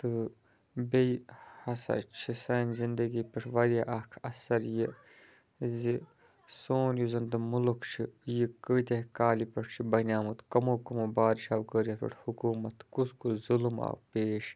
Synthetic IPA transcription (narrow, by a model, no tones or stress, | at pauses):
t̪ɨ | beihɐsɐ̰t͡ʃʰisɐnzind̪ɐɡiːpɐʈʰʋɐɾjaːʔɐkʰɐsɐɾji | zi | soːnjuzɐnd̪ɨmulukʰt͡ʃʰijikəit̪ekaːlipɐʈʰt͡ʃʰibɐnʲaːmut̪kɐmoːkɐmobaːɾʃaːwkəɾʲjat̪ṵʈʰhukuːmɐt̪kuskuzulma̰ːwpeːʃ